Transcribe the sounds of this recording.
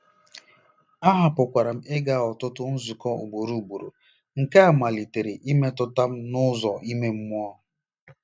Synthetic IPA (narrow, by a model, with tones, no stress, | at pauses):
a˦ɦa˨pʊ˨kʷa˨ɾa˨m̩˦e˦ɡa˦˨ɔ˨tʊ˦tʊ˦n̩˦zu˨kɔ˦ṵ˨ɡ͡bo˨ɾu˦˨bu˨ɾo̰˨ | ŋ̩˨ka˦a˨ma˨li˨te˨ɾe˨ʔi˦me˦tʊ˦ta˦m̩˦nʊ˦zɔ˨ʔi˦me˦m̩˦m˦ɔ˦